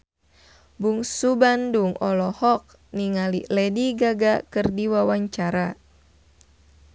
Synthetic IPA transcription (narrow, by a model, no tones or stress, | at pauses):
buŋsubanduŋɔlɔhɔk̚ | niŋalilɛdiɡaɡakɨrdiwawaɲt͡ʃaɾa